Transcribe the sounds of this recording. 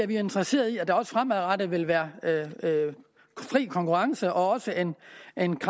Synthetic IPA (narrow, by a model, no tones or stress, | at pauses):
æʋie̝nd̥ʁɐse̝̰ːɐðˠiæd̥æ̈ɒ̽sə̥fʁamæðˠʁɑ̈d̥əʋe̝lʋæːɐø | fʁḭːkʰɒ̽ŋkuʁɑ̈ŋsəʔɒ̽ɒ̽səʔe̝ne̝nkʰ